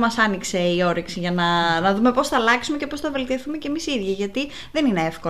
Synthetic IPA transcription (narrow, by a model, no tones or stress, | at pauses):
mɐsɐnikse̞io̞ɾiksiʝɐnɐnɐðume̞po̞sθɐːlɐksumece̞po̞sθɐve̞lt̪io̞θumecemisiðʝiʝɐt̪i | ðe̞nine̞efko